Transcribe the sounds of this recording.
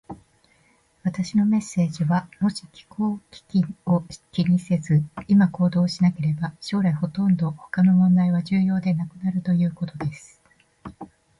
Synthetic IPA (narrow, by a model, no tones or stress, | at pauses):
βat̪aɕino̞me̞sːe̞ːʑiβamo̞ɕikʲi̥ko̞ːkʲi̥kʲio̞kʲiɲ̟ise̞zɨimako̞ːd̪o̞ːɕinake̞ɾe̞baɕo̞ːɾaiho̞t̪õ̞nd̪o̞ho̞̥kano̞mõ̞nd̪aiβ̞aʑɨːjo̞ːd̪e̞nakɯ̟naɾɯ̟t̪o̞jɯ̟ːko̞t̪o̞d̪e̞sɨ̥